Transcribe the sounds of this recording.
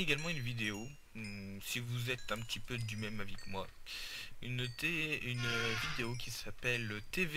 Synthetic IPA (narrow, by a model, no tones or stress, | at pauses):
eɡalmɑ̃ynvid̪eo | sivuzɛt̪ɛ̃pət̪ʰipød̪ymɛmavɛkmwa | ynt̪eynvid̪eokʲisapɛlt̪ev